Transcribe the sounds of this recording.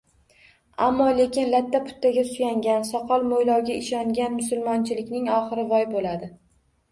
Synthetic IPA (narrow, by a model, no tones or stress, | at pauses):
amːɒle̞kʲʰɪnlat̪ːapʰʊ̥t̪ːaɡʲasʊjaŋɡʲansɒqʰɒlˠmojlɒwɡʲaɪʃɒŋɡʲanmʊsʊlˠmɒnt͡ʃʰɪlɪkʲnɪŋɒχɨɾɪvɒjbolad̪ɪ